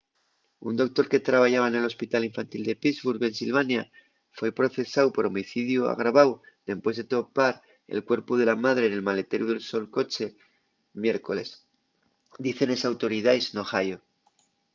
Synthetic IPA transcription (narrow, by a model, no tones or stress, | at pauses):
und̪o̞k̚t̪o̞ɾke̞t̪ɾaβ̞aʝaβaene̞lo̞spit̪aliɱfant̪ild̪e̞pizβuɾβe̞nsilβanja | fwe̞pɾo̞θe̞sawpo̞ɾo̞miθiðjua̰ɣ̞ɾaβaw | d̪e̞spwe̞zðe̞t̪o̞paɾ | e̞̰lkwe̞ɾpuðe̞lamað̞ɾene̞lmale̞t̪e̞ɾuð̞e̞lso̞lko̞t͡ʃe̞ | mje̞ɾko̞le̞s | d̪iθe̞ne̞sawt̪o̞ɾiðajsno̞xajo